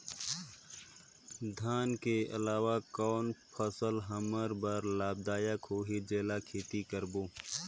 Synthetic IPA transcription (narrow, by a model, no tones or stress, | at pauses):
d̪ʱaːnkeɐ̰laːʋakɔːnpʰəsəlɦəməɾbəɾlaːb̚d̪aːjəkɦoːɦed͡ʒeːlakʰeːt̪ikəɾboː